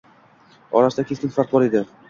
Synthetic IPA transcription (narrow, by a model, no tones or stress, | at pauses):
ɒ̰ɾasd̪akʲeskʲɘnfaɾt̪̚bɒɾed̪ɘ